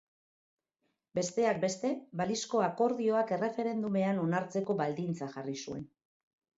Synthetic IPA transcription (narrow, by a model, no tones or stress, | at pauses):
be̞st̪e̞ak̚be̞st̪e̞βalisko̞ako̞ɾðio̞ake̞re̞fe̞ɾe̞nd̪ume̞ano̞naɾt͡se̞ko̞βald̪int͡saxarisue̞n